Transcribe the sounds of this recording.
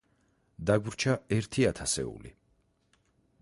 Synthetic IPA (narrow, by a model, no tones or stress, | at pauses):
d̪aɡɾt͡ʃʰaɛɾt̪ʰiat̪ʰasɛ̰ṵlḭ